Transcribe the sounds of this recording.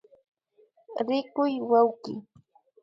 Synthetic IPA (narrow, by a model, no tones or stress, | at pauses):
ɾɪkʊjwawkɪ